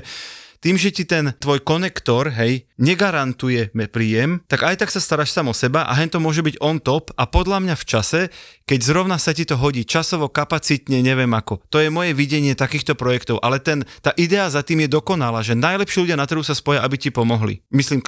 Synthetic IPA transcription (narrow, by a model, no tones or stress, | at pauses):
t̪iːmʒɛcit̪ɛnt̪ʋɔjkɔnɛkt̪ɔɾɦɛjɲɛɡaɾant̪ujɛmɛpɾiːjɛmt̪aɡajt̪aksast̪aɾaːʃsamɔsɛbaʔa̰ɦɛɲt̪ɔmʊɔʒɛbiɟɔnt̪ɔpʔapɔd̪ʎamɲaft͡ʃasɛkɛɟzɾɔʊnasacit̪ɔɦɔɟiːt͡ʃasɔʋɔkapat͡sit̪ɲɛɲɛʋɛmakɔt̪ɔjɛmɔjɛʋiɟɛɲɪɛt̪akiːxt̪ɔpɾɔjɛkt̪ɔʊʔalɛt̪ɛnt̪aːʔid̪ɛazat̪iːmjɛd̪ɔkɔnalaːʒɛnajlɛpʃiːluɟɪanat̪ɾɦusaspɔjaʔabicipɔmɔɦlḭmisliːm